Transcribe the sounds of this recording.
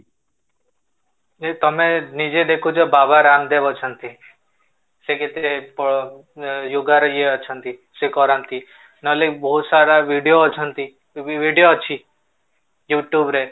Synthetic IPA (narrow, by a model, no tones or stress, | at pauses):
et̪ɔmenid͡ʒed̪ekʰut͡ʃʰɔbabʱaɾamd̪ebɔt͡ʃʰɔnt̪i | seket̪eepɔ | juɡaɾieɔt͡ʃʰʌnt̪isekɔɾant̪i | nɔlibɔɦut̪saɾaʋiɖijoːt͡ʃʰɔnt̪i | ʋiɖijot͡ʃʰi | juʈjubɾe